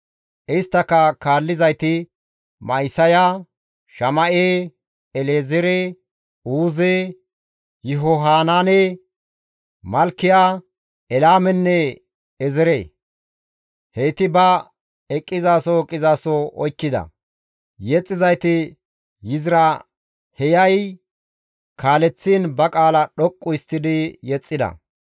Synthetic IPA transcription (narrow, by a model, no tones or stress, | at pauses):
ʔɪjst̪ːɐkːɐkaːlːɪzɐjt̪ɪ | mɐjsɐjaː | ʃɐmɐʔeː | ɛleːzɛɾeː | uːzeː | jɪɦɔɦaːnaːne | mɐlkːɪjaː | ɛlaːmɛnːɛ | ɛzɛɾḛː | hejt̪ɪbɐ | ɛkʼːɪzaːsɔɛkʼːɪzaːsɔɔjkːɪd̪ɐ̰ | jɛt͡sʼːɪzɐjt̪ɪ | jɪzɪɾɐ | hɛjɐj | kʰaːlɛt͡sːiːnbɐkʼaːlɐɗɔkʼːʊɪst̪ːɪd̪ɪjɛt͡sʼːɪd̪ɐ̰